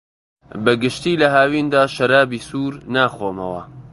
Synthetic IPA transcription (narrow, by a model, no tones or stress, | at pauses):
bɐɡɨʃt̪iːlɐɦaːwiːnd̪aːʃɐɾaːbiːsuːɾnaːxoːmɐ̰wɐ̰